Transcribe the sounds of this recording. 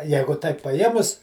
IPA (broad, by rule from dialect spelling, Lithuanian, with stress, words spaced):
ˈjɛɪɡʊ tɐɪp pɐˈjeːmʊs